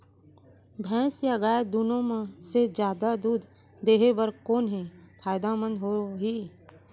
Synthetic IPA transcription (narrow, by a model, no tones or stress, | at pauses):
bʱɛ̃ːsjaɡaːed̪uːnõmẽsed͡ʒjaːd̪ad̪uːd̪ʱ | d̪eːɦebəɾkoːnɦẽpʰaːjd̪amə̃nd̪ɦoɦiː